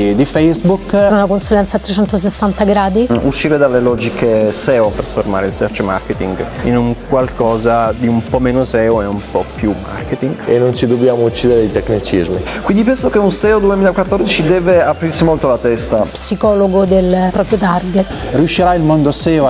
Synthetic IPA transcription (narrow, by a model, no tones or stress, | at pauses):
d̪ifɛjzbukunakonsulɛnt̪sat̪ːɾet͡ʃɛnt̪os̬esːant̪aɡɾaːd̪iuʃːiːɾed̪alːelɔd͡ʒikʰesɛːot̪ɾasformaːɾeilsɛft͡ʃema̰rket̪iŋɡinuŋkwalkʰɔːzad̪iumpɔmeːnosɛːoeumpɔpjumːa̰rket̪iŋɡḛnːont͡ʃid̪obːjaːmout͡ʃːiːd̪eɾd̪jt̪ekːnit͡ʃizmikwind̪ipɛnsokeunsɛːod̪uemiːlakwat̪ːɔrd̪it͡ʃid̪ɛːveapɾirsimolt̪olat̪ɛst̪apsikɔːloɡod̪elpɾɔpɾjot̪arɡet̪ː | riuʃːiɾailmond̪osɛːo